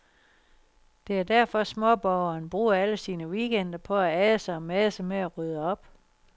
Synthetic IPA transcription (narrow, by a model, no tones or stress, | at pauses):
d̥e̝æɐd̥æɐfɒ̽smɔ̽b̥ɒʊɐːnb̥ʁṵːɐæləsiːnəʋiːɡ̥en̰d̥ɐpʰɒ̽ææðəsɑɒ̽mæðəsəmeæʁyð̞ˠəɒ̽b̥